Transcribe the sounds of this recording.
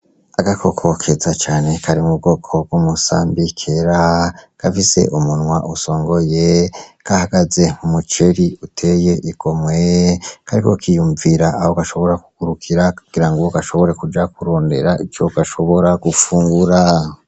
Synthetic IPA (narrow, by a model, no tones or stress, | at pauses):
aɡakʰo̞kʰo̞kʰezat͡ʃaːne̞kʰaɾimub̚ɡo̞ːkʰob̚ɡumusa̰ːmbikʰe̞ɾaɡ̥afise̞̰ʔumunŋwaʔuso̞ːŋɡo̞jeɡ̥ahaɡaze̞ŋumut͡ʃeɾiutʰeːje̞ʔiɡ̥o̞mwekʰaɾikokʰijuːɱviɾaːhoɡaʃo̞βo̞ɾakuɡ̥uɾukʰiɾakuɡ̥iɾaŋɡoɡaʃo̞βo̞ɾe̞kud͡ʒakuɾo̞ːnde̞̰ɾait͡ʃoɡaʃo̞βo̞ɾaɡ̥ufuːŋɡuɾa